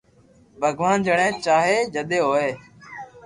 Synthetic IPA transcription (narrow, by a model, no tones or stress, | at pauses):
bʱəɡʋaːnd͡ʒəɳẽːt͡ʃaːɦeːd͡ʒəɗ̪eːɦoːeː